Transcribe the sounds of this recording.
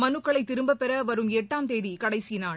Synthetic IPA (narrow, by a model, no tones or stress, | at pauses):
mɐnɯkːɐɭɐɪt̪ːɪɾɯmbɐpɛɾɐʋɐɾɯmɛʈːaːmt̪eːðikɐɽɐɪsinaːɭ